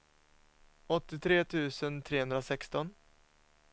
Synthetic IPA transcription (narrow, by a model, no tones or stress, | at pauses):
ɔt̪ːɪt̪ʰɾeːt̪ʰʉ̟ːsənt̪ʰɾeːɦɵnɾasɛkst̪ɔn